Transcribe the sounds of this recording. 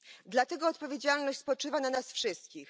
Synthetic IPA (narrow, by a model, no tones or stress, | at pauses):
d̪lat̪ɛɡɔːt̪pɔvʲjed͡ʑalnɔɕt͡ɕʲspɔt͡ʂɘvananasfʂɘst̪kʲix